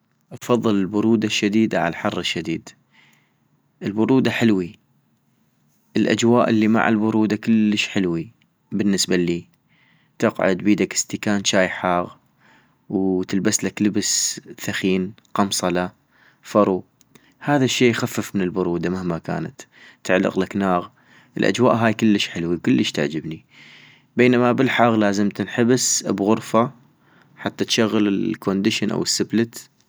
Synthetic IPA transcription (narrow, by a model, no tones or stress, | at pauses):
ʔɑfɑðˤːɨləlbʊɾuːd̪aʃːad̪iːd̪aʕa̰lħɑrˤːɪʃːad̪iːd̪ | ʔəlbʊɾˤuːd̪aħɪlwi | ʔəlʔa̰d͡ʒwaːʔəlːima̰ʕa̰lbʊɾuːd̪akʊlːəʃħɪlwi | bɪnːəsbaliː | t̪ɑqʕʊ̰d̪biːd̪akɪ̥st̪ɪkaːnt͡ʃaːjħaːɣ | wt̪ɪlbaslakləbsθaxiːn | qɑmsˤɑla | fɑɾˤu | haːðaʃːeːjxafːəfmɪnɪlbʊɾuːd̪amahmaka̰ːna̰t̪ː | aʕlːɪ̰qlaknaːɣ | ʔɪlʔa̰d͡ʒwa̰ːʔɦaːjkʊlːəʃħɪlwikʊlːəʃt̪aʕd͡ʒɪbni | beːnamabɪlħaːɣlaːzɪmt̪ɪnħɪbsbɣʊɾfa | ħat̪ːat̪ʃaɣːəlɪkʰond̪ɪʃɪnʔa̰wɪsːɪblɪt̪